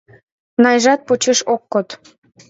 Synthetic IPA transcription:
nɑjʒɑt̪̚pot͡ɕeʃokːot̪

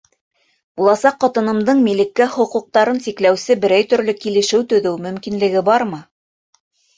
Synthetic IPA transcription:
bulˠɑsɑqːɑt̪ɤ̆nɤ̆md̪ɤɴmilɘ̆kːæχŏquq̚t̪ɑɾɤnsikl̪æwsɘbɘ̆ɾæjt̪ɵ̆ɾlɵkilɘ̆ʃɘwt̪ɵ̆ðɘwmɵ̆mkinlɘ̆ɡɘbɑɾmɤ

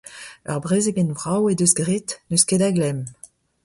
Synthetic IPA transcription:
œ̰ʁbʁeːzeɡɛnvʁawedøsɡʁet̪nøskedaɡlɛm

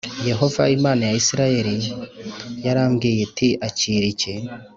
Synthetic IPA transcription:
je̞ɦo̞vaimaːnajaisiɾaje̞ɾi | jaɾaːmɡiːje̞tiʔaciːɾice̞

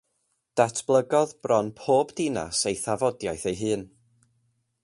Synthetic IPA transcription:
d̥atʰb̥lˠəɡɔðbrɔnpʰoːbdɪna̰sejθavɔdjajθejɦɨːn

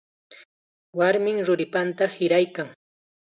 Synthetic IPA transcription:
waɾmɪŋɾʊɾɪpant̪ahɪɾajkaŋ

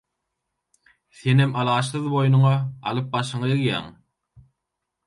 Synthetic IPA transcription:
θe̞nemɑlˠɑːʃθɯðbo̞jnuɴɑɑ̰lˠɯp̚bɑʃɯɴɑeɣjæ̰ːŋ

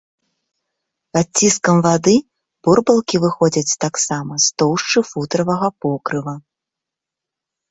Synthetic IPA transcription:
pat͡sʲːiskɐmvad̪ɨ | b̥urbɐlˠkʲivɨxɔd͡zʲɐt͡sʲt̪aksamɐst̪ɔwʂt͡ʂɨfut̪ɾɐvɐɣɐpɔkɾɨvɐ

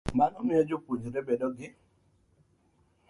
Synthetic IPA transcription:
manɔmɪɔd͡ʒopoɲd͡ʒɾɛbɛdɔɡɪ

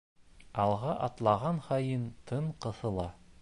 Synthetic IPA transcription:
ɑlˠʁɑʔɑt̪lˠɑʁɑnχɑjɤnt̪ʰɤɴqɤ̆θɤ̆lˠɑ

